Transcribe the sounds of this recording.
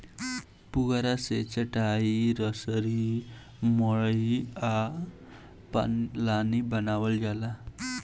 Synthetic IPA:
puɡaɾaset͡sʌʈaiɾʌsʌɾi | mʌɭʌja | pa̰lanibʌnawʌld͡ʒala

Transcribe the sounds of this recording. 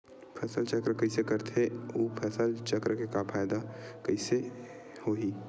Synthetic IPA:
pʰɛːsəlt͡ʃəkɾəkəɪsekəɾt̪ʰeopʰɛsəlt͡ʃəkɾəkekapʰaːjd̪akəɪse | hoːɦiː

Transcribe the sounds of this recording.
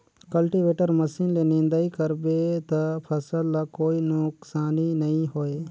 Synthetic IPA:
kɐlʈiʋeːʈəɾməsiːnlenɪ̃nd̪aikəɾbet̪ɐpʰɐsəlːakoːinʊksaːninɐĩɦoːeː

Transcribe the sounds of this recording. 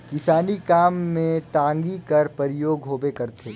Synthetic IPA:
kɪsaːnikaːmːẽʈãːŋɡikɐɾpəɾɪjoːɡɦoːbekɐɾt̪ʰeː

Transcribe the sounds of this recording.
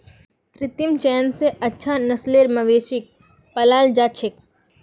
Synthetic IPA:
kɾɪt̪imt͡ʃɛːnseɐtːʃʰanɐsleːɾmɐʋeːʃɪk̚ | pɐlaːld͡ʒaːt͡ʃʰɪk

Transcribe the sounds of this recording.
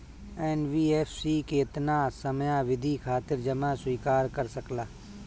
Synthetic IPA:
ɛːnwiːeːfsiːkeɪt̪naːsəmjaʋɪd̪ʱikʰaːt̪ɪɾd͡ʒɐmaswiːkaːɾkɐɾsəklaː

